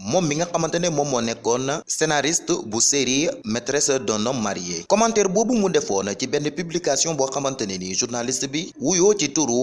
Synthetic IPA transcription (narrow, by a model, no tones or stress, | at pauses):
mɔmːiŋakamãntɐnemɔmɔnɛkːɔnːasenaɾistbuseɾimɛtɾɛsdɔnɔmaɾijekɔmãntɛɾbobumudɛfɔnat͡ʃibɛnːəpyblikasiɔ̃buakamantɐneniʒuɾnalistbiwujoːt͡ʃituɾu